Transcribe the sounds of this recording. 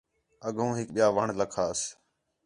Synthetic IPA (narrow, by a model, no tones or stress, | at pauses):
əɡʱũːɦɪk̚ɓɪjaːʋəɳləkʰaːəs